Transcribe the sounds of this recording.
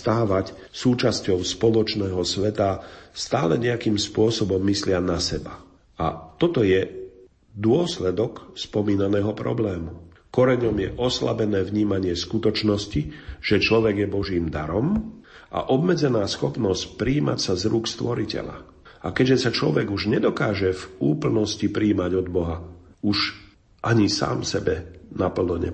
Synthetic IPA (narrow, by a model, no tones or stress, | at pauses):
st̪aːʋac | suːt͡ʃascɔʊspɔlɔt͡ʃnɛːɦɔsʋɛt̪ast̪aːlɛ̰ɲɛakiːmspʊɔsɔbɔmːislɪanasɛba | a̰t̪ɔt̪ɔjɛ | d̪ʊɔslɛd̪ɔkspɔmiːnanɛːɦɔpɾɔ̰blɛːmu | kɔɾɛɲɔmjɛʔɔsla̰bɛnɛːvɲiːmaɲɪɛskut̪ɔt͡ʃnɔsciʒ̥ɛt͡ʃlɔʋɛɡjɛbɔʒiːmd̪aɾɔmʔa̰ʔɔbmɛd͡zɛnaːsxɔpnɔscpɾiːma̰csazɾuːkst̪ʋɔɾicɛ̰ʎa̰ | akɛɟʒɛsat͡ʃlɔ̰ʋɛɡuʒɲɛd̪ɔkaːʒɛvuːpl̩nɔscipɾiːmaɟɔd̪bɔɦauʒ | ʔaɲisa̰ːmsɛbɛnapl̩nɔɲɛ̰